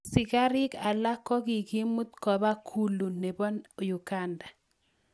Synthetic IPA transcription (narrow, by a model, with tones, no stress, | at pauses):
sɪ˨ka˦ɾɪ˦ka˨la˦kɔ˦ɡi˨ɡi˦mu˦t̪kɔ˨ba˦kʰu˦lu˨ne˨bɔ˦n˨ju˨ka˦nda˨